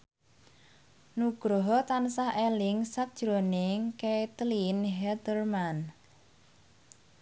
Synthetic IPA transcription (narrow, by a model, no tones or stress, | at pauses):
nuɡ̥ɾɔɦɔt̪ansahʔelɪŋsat̚d̥ʒ̥ɾoneŋket̪linɦɛd̪ərman